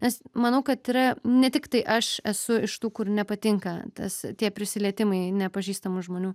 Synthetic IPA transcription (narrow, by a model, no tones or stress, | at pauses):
nʲɛsmɐnɐʊkɐt̪iɾɐnʲɛt̪ʲɪkt̪ɐɪʔɐʃɛsʊɪʃt̪uːkʊrnʲɛpɐt̪ʲɪŋkɐt̪ɐ̰st̪ʲiɛpʲɾʲɪsʲɪlʲiɛt̪ʲɪmɐɪnʲɛpɐʒʲiːst̪ɐmʊʒmoːnʲuː